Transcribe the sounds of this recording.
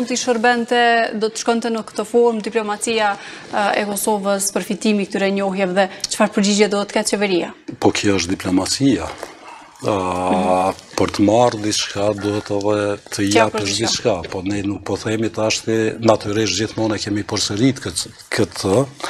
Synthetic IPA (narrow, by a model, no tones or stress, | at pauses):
unt̪iʃəɾbɛnt̪ɛd̪ɔt̪ə̥ʃkɔnt̪ɛnəkə̥t̪ɔfɔɾmd̪iplɔmat͡siaɛkɔsɔvəspəɾfit̪imik̚t̪yɾɛɲɔɦjavðɛt͡ʃə̥faɾpəɾd͡ʑid͡ʑɛd̪uhɛt̪ːkat̪t͡ʃɛvɛɾia̰pɔkʰjɔəʃ̬td̪iplɔmat͡sia | pəɾt̪əmaɾd̪it͡ʃkad̪uɦɛt̪ɛðɛt̪ʰəjapəʃd̪it͡ʃkapɔnɛnuk̚pɔθɛmit̪əaʃt̪inat̪yɾiʃt̪̚d͡ʑiθmɔnakɛmipɔɾsəɾit̪kəkʰət̪ʰə